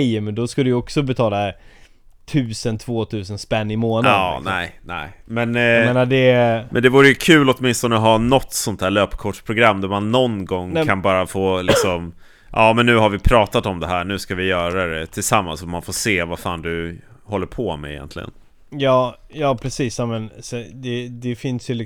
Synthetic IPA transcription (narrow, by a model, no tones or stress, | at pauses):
jmɛnd̪ɔskald̪əjəɔksɔbɛt̪ʰɑːla | t̪ʰʉ̟ːsənt̪ʰvoːt̪ʰʉ̟ːsənspɛnːɪmoːnanɛɪnɛ̰ɪmɛnmeːnadɛmɛ̰nd̪ɛvuːɾəjɵkʰʉ̟ːlɔt̪mɪnst̪ɔnəɔɦanɔt̪ːsɔnt̪ʰæːɭøːpkʰɔʂpʰɾʊɡɾamːd̪æɾmanːɔnɡɔŋːkʰanbɑːɾafoːlɪksɔm | ʔɑːmɛnːʉ̟ːɦaɾvɪpʰɾɑːt̪at̪ɔmd̪ɛɦæːɳʉ̟ːskavɪjœːɾad̪ɛt̪ʰɪlsamːa̰nsɔmanfoːseːvafaːnd̪ɵ | hɔlːəɾpʰɔmɛ̰ɪ̰jɛ̰nt̪ʰlɪ̰ɡə̰n | jɑːjɑːpʰɾɛsiːsjamɛnsɛd̪ɛd̪ɛfɪnsjɵl